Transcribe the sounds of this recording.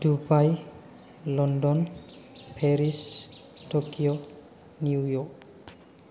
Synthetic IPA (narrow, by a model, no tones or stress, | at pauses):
dubaj | lɔndɔnpʰeɾis | tokio | niujɔk